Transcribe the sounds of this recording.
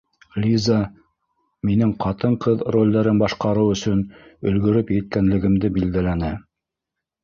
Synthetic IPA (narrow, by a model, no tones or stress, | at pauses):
lʲiza | minɘŋqɑt̪ɤɴqɤðrolʲd̪æɾɘnbɑʃqɑɾɤwɵ̆sɵnɵ̆lɡɵ̆ɾɵpjɘt̪̚kænlɘ̆ɡɘ̆md̪ɘbild̪ælænɘ